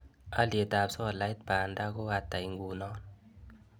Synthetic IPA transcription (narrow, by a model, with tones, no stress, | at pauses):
a˦li˨e˨ta˨psɔ˦˨la˨jt̚ba˨nda˦ko˦a˦ta˨i˨˦ŋɡu˨nɔ˦n